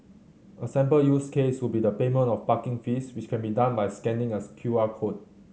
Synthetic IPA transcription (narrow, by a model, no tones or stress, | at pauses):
ʔəsɛ̃mpəljuskeswɪlbidəpemə̃ntɔfpakɪ̃ŋfiswɪt͡ʃkʰɛ̃nbidãnbajskɛ̃ndɪ̃ŋəskʰjuakʰot̚